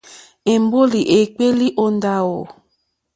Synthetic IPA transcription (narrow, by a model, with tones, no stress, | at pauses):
e˨m˦bo˦li˨ʔe˨k͡pe˦li˦ʔo˦n˦da˦wo˨